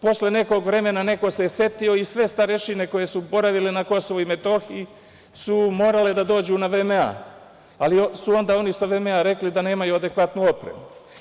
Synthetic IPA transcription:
po̞sle̞ne̞ko̞ɡʋɾe̞me̞nane̞ko̞sese̞t̪io̞isʋe̞st̪aɾeʃine̞ko̞je̞subo̞ɾaʋile̞nako̞soʋoime̞t̪o̞xii | sumo̞ːɾale̞d̪ad̪o̞ːd͡ʑuːnaʋemea̰ | aliosuo̞nd̪aːo̞nisaʋemeaɾe̞klid̪ane̞ːmajuad̪e̞kʋat̪nuopɾe̞̰mu

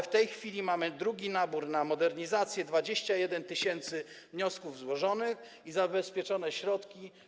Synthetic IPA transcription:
ft̪ɛjxfʲilʲimamɘd̪ɾuɡʲinabuɾnamɔd̪ɛɾɲizat̪sʲjɛd̪vad͡ʑeɕt͡ɕajɛd̪ɛnt̪ɘɕɛnt̪sɘ | vɲɔskuvzwɔʐɔnɘx | izabɛspʲjɛt͡ʂɔnɛɕɾɔt̪kʲi

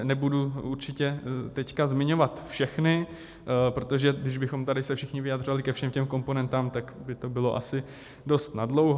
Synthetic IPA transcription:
nɛbuduuɾt͡ʃɪcɛt̪ɛckazmɪɲo̞vat̪fʃɛxnɪ | pɾo̞t̪o̞ʒɛɡdɪʒbɪxo̞mt̪adɪsɛfʃɪxɲɪvɪjad̪r̝ovalɪkɛfʃɛmcɛmko̞mponɛnt̪aːmt̪akbɪt̪o̞bɪlo̞ʔa̰sɪ | do̞st̪nadlo̞wɦ

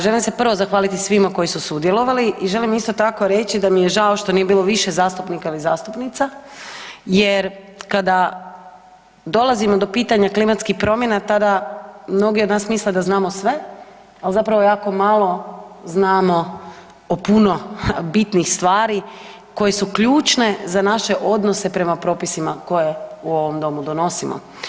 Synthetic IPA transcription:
ʒelimse̞pr̩ʋozaxʋaːlit̪isʋimako̞jisusud̪jelo̞ʋaliʔiʒe̞limist̪o̞t̪ako̞ɾe̞t͡ɕid̪amijeʒaoʃt̪o̞nije̞biːlˠo̞ʋiʃezaːst̪upnikailizaːst̪upnit̪sa | jeɾ | kad̪a | d̪o̞lˠazimod̪o̞piːt̪aɲaklimat̪skixpɾo̞mje̞nat̪ad̪amno̞ɡiod̪naːsmisled̪aznaːmo̞sʋe̞ | alzapɾaʋojaːko̞malˠo̞znaːmo̞ | opuno̞bit̪nixst̪ʋaːɾi | ko̞je̞sukʎuːt͡ʃne̞zanaʃe̞ʔo̞d̪nosepɾe̞mapɾo̞ːpisimako̞jeuo̞ʋomd̪o̞mud̪ono̞simo̰

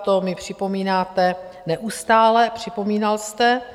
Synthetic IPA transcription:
t̪omɪpr̝̥ɪpo̞miːnaːt̪ɛ | nɛʔust̪aːlɛpr̝̥ɪpo̞miːnalst̪ɛ

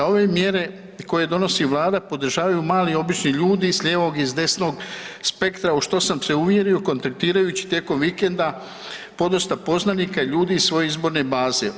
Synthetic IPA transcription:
ao̞ʋemje̞ɾe̞ | ko̞je̞d̪o̞no̞siʋlˠaːd̪apo̞d̪ɾʒaːʋajumaːlio̞bit͡ʃniʎuːd̪isʎʲeːʋo̞ɡizd̪e̞sno̞ːɡspe̞kt̪ɾauʃt̪osamse̞uʋje̞ɾioko̞nt̪ak̚t̪iːɾajuːt͡ɕi̥t̪je̞ko̞mʋikend̪a | po̞d̪ost̪apo̞znanikaiʎuːd̪iːssʋo̞je̞izbo̞ɾne̞baːze

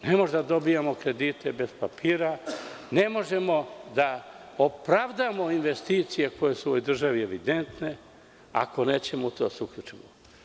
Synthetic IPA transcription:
nemoʒd̪ad̪o̞bijamokɾe̞d̪iːt̪e̞be̞z̥papʰiːɾane̞mo̞ʒe̞mo̞d̪aopɾaʋd̪amo̞inʋe̞st̪iːt̪sije̞kʰo̞je̞suuʋojd̪r̩ʒaʋie̞ʋid̪e̞nt̪ne̞ | a̰ko̞ne̞ːt͡ɕemout̪o̞d̪aseukʎut͡ʃimo

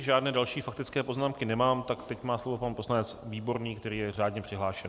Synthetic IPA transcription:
ʒaːdnɛːdalʃiːfakt̪ɪt͡skɛːpo̞znaːmkɪnɛmaːmt̪akt̪ɛcmaːslo̞vo̞panpo̞slanɛt͡sviːbo̞ɾniːkt̪ɛɾiːjɛr̝aːdɲɛpr̥ɪɦlaːʃɛn

